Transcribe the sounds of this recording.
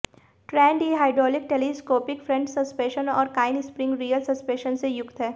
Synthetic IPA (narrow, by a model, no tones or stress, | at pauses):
ʈɾɛ̃ːɳɖiɦaːɪɖɾɔːlɪk̚ʈeːliskoːpɪkfɾɛ̃ɲt͡ʃsɐspẽːʃənɔ̰ːɾkaːɪnɪspɾɪ̃ŋɡɾiːəlsɐspeːʃənsejʊkt̪ɦɛː